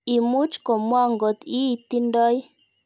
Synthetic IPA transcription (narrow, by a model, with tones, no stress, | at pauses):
i˨mu˦t͡ʃkɔ˨mwa˦ŋɡɔ˨t̪i˦i˨t̪i˦ndɔ˦j